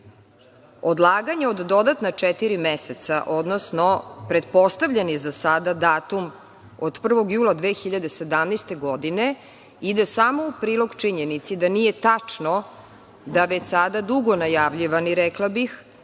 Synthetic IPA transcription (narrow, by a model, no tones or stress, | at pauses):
od̪lˠaːɡaɲeod̪ːo̞d̪at̪nat͡ʂɛt̪iɾimeset̪saʔo̞d̪nosnopɾed̪po̞st̪aʋʎenjezasad̪ad̪aːt̪um | od̪pr̩ʋo̞ɡjuːlˠad̪ʋexiʎad̪e̞se̞d̪amnejst̪e̞ɡo̞d̪ine̞ | id̪asamoupɾiːlˠo̞ɡt͡ʂiɲenit̪sid̪anije̞t̪at͡ʂno | d̪aʋet͡ɕsad̪ad̪uɡo̞najaʋʎiʋaniɾɛklˠabix